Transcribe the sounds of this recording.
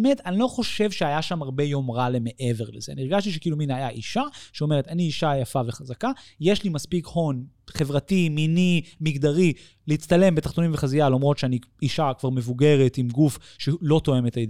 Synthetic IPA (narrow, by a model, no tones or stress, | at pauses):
metanilo̞χo̞ʃe̞vʃeajaʃamaʁbe̞jo̞mʁaleme̞ʔe̞ve̞ʁlezeanieɡaʃtiʃekiːluminajaʔiʃaʃeome̞ʁetaniːʃajafaveχazakajeʃlimaspikho̞n | χe̞vʁatiminimiɡd̪aʁi | leitt͡st̪ale̞mbet̪aχt̪o̞nĩmveχazialomʁo̞tʃeani | iʃakvaʁme̞vuɡe̞ʁetimɡuf | ʃelo̞t̪o̞e̞metajd